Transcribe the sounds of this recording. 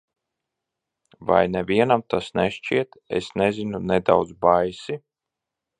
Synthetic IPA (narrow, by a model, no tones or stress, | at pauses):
va̰jnɛvʲiɛnamt̪asnɛʃt͡ʃiɛt̪ḛsnɛzinunɛd̪a̰wd̪zbajsi